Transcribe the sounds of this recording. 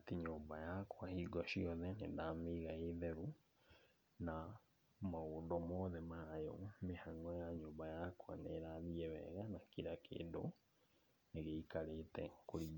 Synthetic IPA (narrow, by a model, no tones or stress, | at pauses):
atiɲoːmbajakwahiːɡɔɕiɔðɛnḛdameɣaeðɛɾu | na | maoːndɔmɔðɛmajomehaŋɔjaɲoːmbajakwa̰neɾaðiɛβɛ̰ɣanakiɾakʰḛːndo̰ | neɣeikaɾetɛ̰koɾi